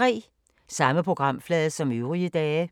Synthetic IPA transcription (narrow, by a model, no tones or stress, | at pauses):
ʁḭː | sɑ̈məpʰʁoɡ̥ʁɑ̈m̰flɛːðˠsɒ̽møʊʁiəd̥ɛː